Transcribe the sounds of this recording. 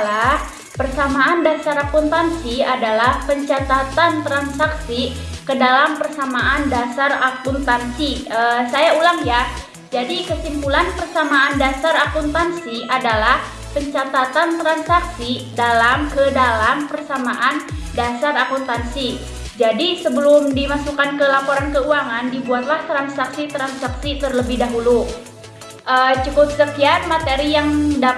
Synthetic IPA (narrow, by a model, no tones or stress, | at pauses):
lah | pərsamaːndasaɾapunt̪ansiadalahpəɲt͡ʃat̪at̪ant̪ɾansaksikədalampərsamaʔandasarapunt̪ansiəsajaulaŋja | d͡ʒadikəsimpulanpərsamaːndasaɾakunt̪ansiadalah | pəɲt͡ʃat̪at̪ant̪ɾansaksidalamkədalampərsamaʔandasaɾakunt̪ansi | d͡ʒadisəbəlʊmdimasukankəlapoɾankəuaŋandibuat̪laht̪ɾansaksit̪ɾansaksit̪ərləbɪhdaɦulu | ʔəːt͡ʃukʊp̚səkianmat̪eɾijaŋda